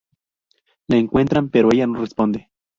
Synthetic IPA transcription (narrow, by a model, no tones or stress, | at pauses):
laeŋkwe̞nt̪ɾampeɾoejanorespond̪e